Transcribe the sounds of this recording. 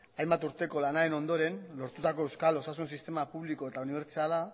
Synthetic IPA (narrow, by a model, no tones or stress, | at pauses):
ajmbat̪uɾt̪e̞ko̞lanaɾe̞no̞nd̪o̞ɾe̞nlo̞ɾt̪ut̪ako̞ewskalo̞sasunsist̪e̞mapuβliko̞e̞t̪auniβe̞ɾt͡siala